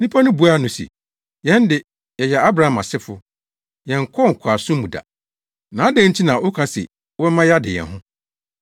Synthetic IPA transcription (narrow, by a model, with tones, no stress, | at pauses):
nĩ˦pʰa˦nʊ̃˦bu˨˦a˦nʊ̃˨sḭ˨ | jɛ̃˦n˦dɪ˨ | jɛ˨jɛ˨a˦bɾa˨a˨mã̰˨sɪ˦fʊ˦ | jɛ̃˨ŋ̩˨kʰɔ˦˨ŋ̩˨kʷʰa˨sʊ̃˦mũ˨da̰˨ | nãː˨˦dɛ̃˦n̩˦t͡ɕʰi˦nã˨ʔʊ˦kʰã˦sɪ̰˨˦ | wɛ˦mã˦ja˦dɪ˨jɛ̰˨nɦʊ̃˦